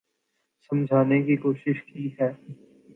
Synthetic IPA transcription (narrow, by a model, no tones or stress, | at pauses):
sɐ̃md͡ʒʱaːnekikoːʃɪʃkiɦɛː